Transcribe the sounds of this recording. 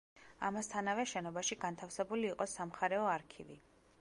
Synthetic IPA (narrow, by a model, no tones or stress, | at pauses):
a̰mast̪ʰanavɛʃɛnɔbaʃiɡant̪ʰafsɛbuliːqʼɔsamχaɾɛɔaɾkʰivi